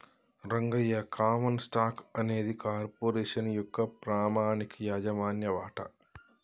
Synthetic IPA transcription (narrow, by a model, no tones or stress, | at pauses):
ɾɐŋɡɐjːɐkʰaːmɐnsʈaːkɐne̞ːd̪ikaːɾpoːɾeːʂɐnjɔkːɐpɾaːmaːnikʰɐjaːd͡ʒɐmaːnjɐʋaːʈɐ̰